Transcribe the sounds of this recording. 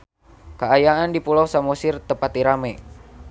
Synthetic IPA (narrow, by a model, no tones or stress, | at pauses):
kaajaʔandipulɔsamɔsirt̪əpat̪iɾamɛ